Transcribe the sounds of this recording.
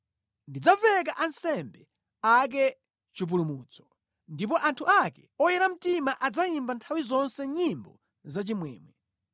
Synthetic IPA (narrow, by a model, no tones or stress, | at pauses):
ndid͡zavɛk̬aʔansɛmbɛ | ak̬ɛ | t͡ʃip̬ulumuːt͡sɔ̥ | ndip̬ɔʔantʰuʔakɛɔjɛɾam̩timaʔad͡zaimbantʰawizɔnsɛɲimbɔ̰ | zat͡ʃimwɛ̰ːmwɛ